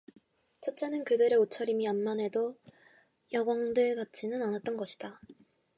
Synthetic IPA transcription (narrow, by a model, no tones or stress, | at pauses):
t͡ɕʰʌt̚t͡ɕ͈enɯnkɯdɯɾe̞ot͡ɕʰʌɾimianmane̞do | jʌɡwaŋdɯɭɡat͡ɕ͈ʰinɯnanat̚t͈ʌnɡʌɕʰi̥d̥a